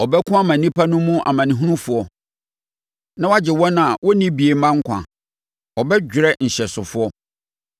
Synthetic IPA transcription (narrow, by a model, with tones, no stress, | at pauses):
ɔ˨bɛ˦kʰʊ̃˦a˦mã˨nĩ˦pʰa˦nʊ̃˦mũ˦ʔa̰˨mã˨nĩ˨ɦũ˦nũ˦fʊ˨ɔ˨ | nã˦wa˦d͡ʑɪ˨wɔ̃˦nã˨a˨wʔɔ˦nĩ˦bi˨e˨mã˦ŋ̩˦kʷʰã̰˨ | ɔ˨bɛ˦d͡ʑᶣɪ˨ɾɛ˦n̩˨ɕɛ˨sʊ˨fʊ˦ɔ˦